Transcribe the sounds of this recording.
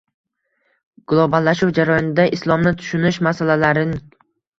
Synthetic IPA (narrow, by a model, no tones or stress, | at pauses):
ɡ̥ʊlˠobalˠːaʃʊwd͡ʒaɾajɒnɪd̪aʔɪslˠɒmnɪt̪ʰʊ̥ʃʊnɪʃmasalalaɾɪnɪ